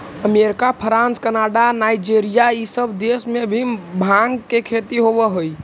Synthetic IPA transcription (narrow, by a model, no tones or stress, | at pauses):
əmeɾikapʰəɾãnskənaɖanaid͡ʒeɾijaisəbʱd̪esmebʱibʱãŋɡkekʰet̪iɦoβɛɦoj